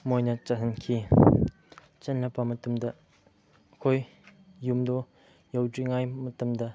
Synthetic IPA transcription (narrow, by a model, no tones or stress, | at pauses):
mojnɐt͡ʃaɦʰɐnkʰi | t͡ʃɐnlɐpɐmɐtɐmdɐ | kʰojː | umdɔ | jɐwdɾiŋajmɐtɐmdɐ